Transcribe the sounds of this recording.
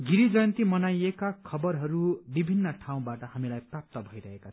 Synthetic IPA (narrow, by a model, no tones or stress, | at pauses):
ɡiɾid͡zʌjʌ̃nt̪imʌnajekakʰʌbʌɾɦʌɾubibʱinːʌʈʰaw̃baʈʌhamilajprap̚t̪ʌbʱʌjɾʌɦekat͡sʰʌ